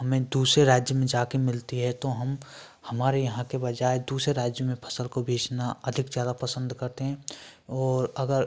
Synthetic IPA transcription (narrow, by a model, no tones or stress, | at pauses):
ɦɐmẽd̪uːsɾeɾaːd͡ʒjəmẽd͡ʒaːkemɪlt̪iɦɛt̪oɦɐm | hɐmaːɾejɐɦãkebɐd͡ʒaːed̪uːsɾeɾaːd͡ʒjəmẽpʰɐ̥səlkobʱeːt͡ʃnaɐd̪ʱɪkzjaːd̪apɐsə̃nd̪kɐɾt̪eɦɛ̃ːɔːɾɐɡəɾ